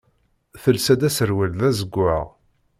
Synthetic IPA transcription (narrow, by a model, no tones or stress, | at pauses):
θəlsæd̪æsəɾwilðæzəɡʷːæ̰ʁ